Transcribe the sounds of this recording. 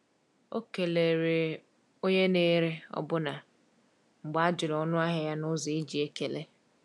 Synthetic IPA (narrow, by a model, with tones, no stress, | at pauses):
o˦ke˨le˨ɾe˨ | o˦ɲe˦ne˦ɾe˦ɔ̰˦bʊ˦na˨ | ŋ͡m̩˨ɡ͡ba˨a˦d͡ʒʊ˨lɔ˦nʊ˦a˦ɦa˨ja˦nʊ˦zi˨e˦d͡ʒi˨e˦ke˨le˦